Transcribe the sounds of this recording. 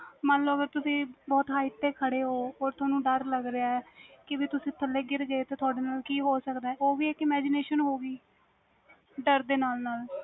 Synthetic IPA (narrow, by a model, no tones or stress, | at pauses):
mənləːɡəɾt̪ʊsĩːbɔːt̪ɦaːɪt̪ːeːkʰəɽeːɦoːoːɾt̪ʰʊaːnũːɖəɾləɡɾeaːɛːkɪʋiːt̪ʊsĩːt̪ʰəlːeːɡɪɾɡəeːt̪eːt̪ʰʊaːɖeːnaːlkiːɦoːsəkd̪aːɛːoːʋiːɪkɪmɛːd͡ʒɪneːʃənɦoːɡiː | ɖəɾd̪eːnaːlnaːl